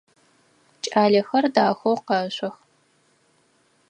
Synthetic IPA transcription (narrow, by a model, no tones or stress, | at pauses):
t͡ʃʼaːɮɐxɐrdaːxʷowqɐɕʷʼɐx